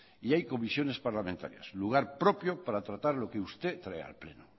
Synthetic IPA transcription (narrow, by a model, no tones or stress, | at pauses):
iajko̞misjo̞ne̞spaɾlamẽnt̪a̰ɾja̰sluɣ̞aɾpɾopjopaɾat̪ɾat̪aɾlo̞keust̪e̞t̪ɾaḛa̰lplḛnu